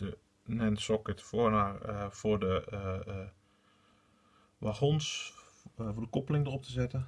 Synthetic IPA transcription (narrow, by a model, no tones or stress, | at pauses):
ə | nɛnsɔkətfoənarfodə | ʋaxons | fodəkopəlɪŋdərop̚təzɛtə